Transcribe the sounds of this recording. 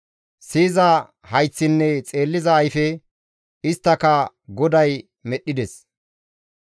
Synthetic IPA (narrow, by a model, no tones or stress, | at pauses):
siːzɐ | hɐjt͡sːɪnːɛt͡sʼe̞ːlːɪzɐːjfɛ | ɪst̪ːɐkɐ | ɡɔd̪ɐj | mɛɗːɪd̪ɛs